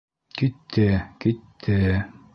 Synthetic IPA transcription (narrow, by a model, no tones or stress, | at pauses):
kit̪ʰːekit̪ʰːe